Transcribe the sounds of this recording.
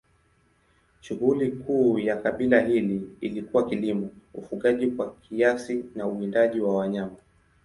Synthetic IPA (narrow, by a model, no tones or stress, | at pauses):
ʃuhulikʰuːjakaɓilahiliilikuwakilimɔufuɠaʄikwakʰiasinauindaʄiwawaɲama